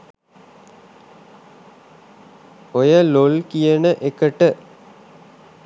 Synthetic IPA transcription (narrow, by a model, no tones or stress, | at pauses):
ojəlolkijənəʔekəʈə